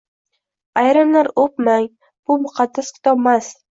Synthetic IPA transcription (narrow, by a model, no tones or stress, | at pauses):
ajɾamlaɾopmaŋ | b̥ʊmʊqʰɑd̪ːaskʰɪ̥t̪ʰɒbmas